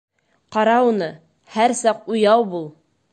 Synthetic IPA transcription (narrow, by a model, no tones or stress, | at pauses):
qɑɾɑunɤ | hæɾsɑqujɑwbulˠ